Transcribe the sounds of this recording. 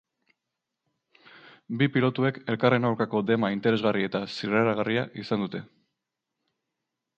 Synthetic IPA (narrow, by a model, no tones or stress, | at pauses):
bipilo̞t̪ue̞ke̞lkare̞nawɾkako̞d̪e̞maint̪e̞ɾe̞zɣarie̞t̪asireɾaɣ̞ariaʔisand̪ut̪e̞